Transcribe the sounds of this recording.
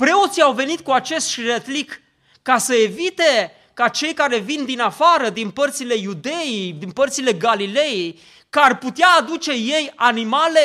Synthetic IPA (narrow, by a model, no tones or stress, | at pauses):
pɾe̞o̞t̪sijawve̞nit̪̚kuat͡ʃe̞st̪ʃret̪likː | asəe̞vit̪e̞ | kat͡ʃe̞jkaɾe̞vind̪inafaɾəd̪inpərt̪sile̞jud̪e̞jijd̪inpərt̪sile̞ɡalile̞jej | kəarput̪eaːd̪ut͡ʃe̞je̞janimale̞